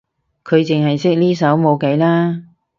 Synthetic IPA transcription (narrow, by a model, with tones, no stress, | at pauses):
kʰɵ˨˧ɥt͡sɪ˨ŋhɐ˨jsɪ˥k̚liː˥sɐ˨˥wmo˨˧wke˨˧˥jlaː˥